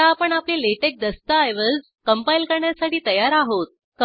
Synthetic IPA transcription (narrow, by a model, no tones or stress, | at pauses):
aːpəɳaplileʈek̚d̪əst̪aːjʋəd͡z | kəmpailkəɾɳjasaʈiːt̪əjaɾaɦot̪̚ | k